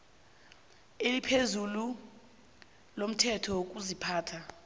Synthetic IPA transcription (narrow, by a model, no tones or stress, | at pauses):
elipʰezulu | lom̩tʰɛtʰɔok̬uzipʰaːtʰa